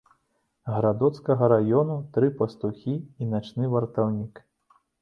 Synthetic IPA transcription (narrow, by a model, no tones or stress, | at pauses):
ɣɾad̪ɔt̪skɐɣɐɾajɔnut̪ɾɨpɐst̪uxʲiinat͡ʃnɨvɐrt̪awnʲik